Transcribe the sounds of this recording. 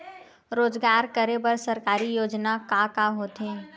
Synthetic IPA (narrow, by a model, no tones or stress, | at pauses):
ɾoːzɡaːɾkəɾebəɾsɐɾkaːɾijoːd͡ʒnakakaɦoːt̪ɦɛ̃ː